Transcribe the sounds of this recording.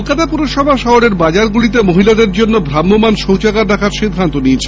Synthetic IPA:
lkat̪apuɾoʃɔbʱaʃɔɦoɾeɾbad͡ʑaɾɡulit̪emoɦilad̪eɾd͡ʑonːobʱɾamːomanʃowt͡ɕakaɾːakʰaɾʃid̪ʱːant̪oniet͡ɕʰe

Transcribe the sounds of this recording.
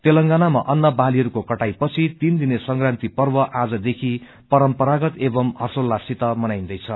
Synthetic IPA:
t̪elʌŋɡanamaʔʌnːʌbaliɦʌɾukokʌʈajpʌt͡sʰit̪ind̪inesʌŋɡrant̪ipʌrbʌʔad͡zʌd̪ekʰi | pʌɾʌmpʌɾaɡʌt̪ebʌmhʌrsolːasit̪ʌmʌnajnd̪ʌjt͡sʰʌ

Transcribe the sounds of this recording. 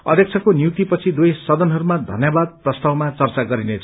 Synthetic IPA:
ʌ̰d̪ʱjʌk̚t͡sʰʌkonjuk̚t̪ipʌt͡sʰid̪ujsʌd̪ʌnɦʌɾumad̪ʱʌ̰njʌbad̪̚prʌst̪awmat͡sʌrt͡saɡʌɾinet͡sʰʌ

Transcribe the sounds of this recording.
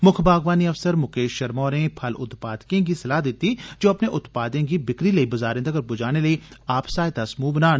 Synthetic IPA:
mʊkʰbaːɡʋaːniɐfsəɾmʊkeːʃʃɐɾmɔːɾẽpʰɐlʊ̰t̪paːd̪kẽkisɐlaːɦd̪ɪt̪ːid͡ʒoːɐpneʔʊt̪paːd̪ẽkibɪkɾiləibɐzaːɾẽnd̪ɐkəɾbʊd͡ʒaːñeləiaːpsaːet̪ɐsmũbənaːn

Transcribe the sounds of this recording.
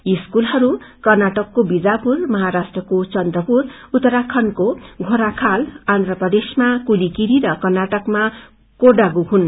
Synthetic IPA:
iskulɦʌɾu | kʌrnaʈʌkːobid͡zapurmʌɦaɾasʈrʌkot͡sʌnd̪rʌpurut̪ːʌɾakʰʌnkoɡʱoɾakʰaland̪rʌpʌd̪esmakulikiɾiɾʌkʌrnaʈʌkma | koɖaɡuɦun

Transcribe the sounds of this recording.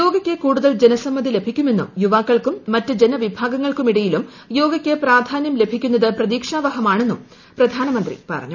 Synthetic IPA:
jo̞ːɡɐkʲːekuːɽuðɐld͡ʑe̞nɐsɐmːɐðile̞bʱikʲːume̞nːṵmjuʋaːkːɐɭkumːɐtːɨd͡ʑe̞nɐʋibʱaːɡɐŋːɐɭkumiɽɐjilum | jo̞ːɡɐkʲːepraːd̪ʱaːnjɐmle̞bʱikʲːunːɐðɨprɐðiːkʂaːʋɐɦɐmaːɳe̞nːum | prɐd̪ʱaːnɐmɐnd̪rḭpɐ̰rɐ̰ɲːu

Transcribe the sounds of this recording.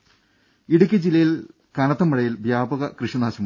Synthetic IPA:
iɽuk̬ʲːɐd͡ʑilːɐjil | kɐɳɐt̪ːɐmːɐɽɐjilʋjaːbɐɣɐkrɨʂɐnaːɕɐm

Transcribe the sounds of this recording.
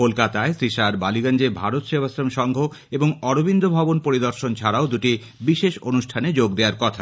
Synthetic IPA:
kolkat̪aesɾiʃaɾbaliɡand͡ʑebʱaɾot̪ʃebʱasɾomʃɔŋɡʱo | eboŋɔɾobind̪ʱobʱabonpoɾid̪oɾʃont͡ɕʰaɾaod̪uʈi | biʃeʃonuʃʈʰaned͡ʑoɡd̪eaɾkɔt̪ʰa

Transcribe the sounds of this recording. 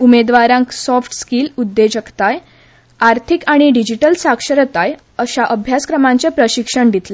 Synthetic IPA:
umed̪ʋaɾãŋksɔfʈskiːlud̪ːed͡ʑəkt̪aj | aɾt̪ʰikaɽ̃iɖid͡ʑiʈəlsakʂəɾət̪aj | əɕaʔəbʱjaskɾəmãɲt͡ɕapɾəɕikʂəɳd̪ʱit̪le

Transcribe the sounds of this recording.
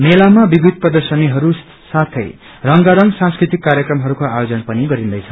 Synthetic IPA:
melamabibʱid̪̚ʱprʌd̪ʌrsʌniɦʌɾu | sat̪ʰʌ̰j | rʌŋɡaɾʌŋɡsãskrit̪ikːaɾjʌkrʌmɦʌɾukoajod͡zʌnpʌniɡʌɾind̪ʌjt͡sʰʌ̥

